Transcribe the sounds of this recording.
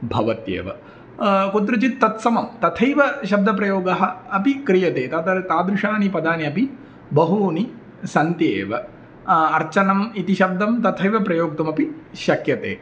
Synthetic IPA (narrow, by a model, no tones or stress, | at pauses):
bʱɐʋɐt̪jḛːʋɐ̰ | kut̪̬ɾɐt͡ʃit̪ːɐt̪sɐmɐmt̪ɐt̪ʰɐjʋɐʃɐb̚d̪ʱɐpɾɐjoːɡɐɦɐ̆ɐpikɾijɐt̪eːt̪ɐt̪t̪aːd̪ɾuʂaːnipɐd̪aːniɐpi | bɐɦuːni | sɐnt̪jeːʋɐ | ɐɾt͡ʃɐnɐmit̪iʃɐb̚d̪ʱɐmt̪ɐt̪ʰɐjʋɐpɾɐjoːk̚t̪ɐmɐpiʃɐkjɐt̪ḛː